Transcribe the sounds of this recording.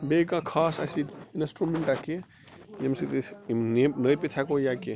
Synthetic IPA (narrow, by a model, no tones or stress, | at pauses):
bekãkʰaːsa̰sit̪insʈɾumeɳʈake | jemsit̪isnenəjpit̪ʰakojake